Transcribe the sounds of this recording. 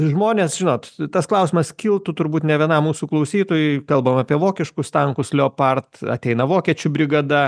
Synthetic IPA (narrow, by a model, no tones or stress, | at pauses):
ʒmoːnʲeːsʒʲɪnoːt̪t̪ɐsklˠɐʊsʲɪmɐskʲilˠt̪ʊt̪ʊɾbuːt̪nʲɛʋʲiɛnɑmuːsuklˠɐʊsʲiːt̪oːjʊkɐlˠbɐmɐːpʲiɛʋoːkʲɪʃkʊst̪ɐŋkʊslʲɛopɐrt̪ɐ̰t̪ʲɛɪnɐʋoːkʲiɛt͡ʃʲʊbʲɾʲɪɡɐd̪ɐ